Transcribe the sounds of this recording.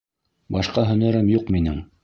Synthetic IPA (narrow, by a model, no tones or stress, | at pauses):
bɑʃqɑɦɵ̆nɘ̆ɾɘmjuqminɘŋ